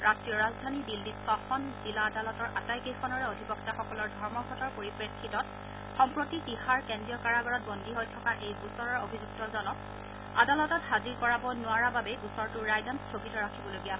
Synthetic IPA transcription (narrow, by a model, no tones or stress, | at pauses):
ɹastɹijɔɹazdʱanidildisɔxɔnz̥ilaːdalɔtɔɹʔa̰tajkexʰɔnɔɹɛodʱipɔktaxɔkɔlɔɹdʱɔɹmɔɡʱɔtɔɹpoɹipɹekʰːitɔt̚ | xɔmpɹotitihaɹkendɹijɔkaɹaɡɔɹɔt̚bɔndiɦojtʰɔkaʔejbusɔɹɔɹobʱizuk̚tɔzɔnɔk | adalɔtɔtɦaziɹkɔɹabɔnʊaɹababɛbusɔɹtʊɹajdanstʰoɡitɔɹakʰibɔlojɡija